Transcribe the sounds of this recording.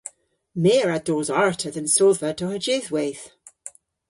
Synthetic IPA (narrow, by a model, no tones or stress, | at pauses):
meɹadozaɹtʰəðə̃nsɔvətʰəhəd͡ʒeðweθ